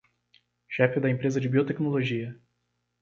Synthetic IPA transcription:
ʃɛfɪd̪ɐẽpɾezɐd͡ʒɪbiot̪eknoloʒiɐ

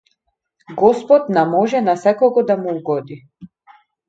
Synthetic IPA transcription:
ɡɔspɔt̪namɔʒɛnasɛkɔɡɔd̪amuuɡɔd̪i

